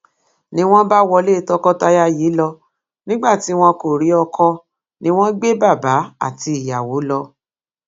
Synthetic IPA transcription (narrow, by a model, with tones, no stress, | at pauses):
nĩ˦w̃ɔ̃˦ba˦wɔ˧le˦˨˧tɔ˧kɔ˦ta˧ja˦ji˨˦lɔ˧ | nĩ˦ɡ͡ba˦˨ti˨˦w̃ɔ̃˧ko˨ɾi˨˦ɔ˧kʰɔ˧ | nĩ˧˦w̃ɔ̃˦ɡ͡be˦ba˦˨ba˨˦a̰˦˨ti˧i˨ja˨wo˨˦lɔ˧